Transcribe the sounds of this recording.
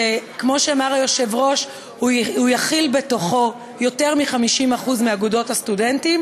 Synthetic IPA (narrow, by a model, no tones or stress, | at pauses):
ekmo̞ʃeamaʁajo̞ʃe̞vʁo̞ʃ | hhujaχilbe̞to̞χo̞ | jo̞te̞ʁmiχamiʃimaχuzmiaɡudo̞thastudentim